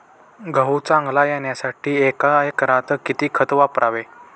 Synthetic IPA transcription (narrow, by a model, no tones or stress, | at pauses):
ɡʱəɦut͡sãŋɡlajeɳjasaʈʰiːekajkəɾat̪əkit̪iːkʰət̪ʋapɾaʋe